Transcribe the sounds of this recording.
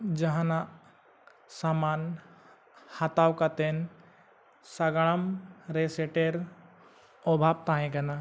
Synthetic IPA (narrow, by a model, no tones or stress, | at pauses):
d͡ʒɐɦãna | saman | hat̪awkat̪en | saɡaɭəmɾeseʈeɾ | ɔbʱab̚t̪ãɦẽkɐna